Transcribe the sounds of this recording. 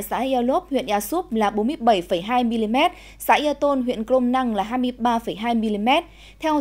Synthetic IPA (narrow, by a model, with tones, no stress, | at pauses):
jsa̰ː˨˦˥ʔi˧a˧lo˦˥p̚hwḭ˧˨ənʔaː˧su˦˥p̚laː˨˩ɓo˨˦nmɨ˧əjɓə˧˩jfə˧˩jɦaː˧jmi˧li˧mɛ˦˥t̚ | sa̰ː˨˦˥ʔi˧ə˧t̪o˧nɦwḭ˧˨ənkɾo˧mna˧ŋlaː˨˩ɦaː˧jmɨ˧əjɓaː˧fə˧˩jɦaː˧jmi˧li˧mɛ˦˥t̚ | t̪ʰɛ˧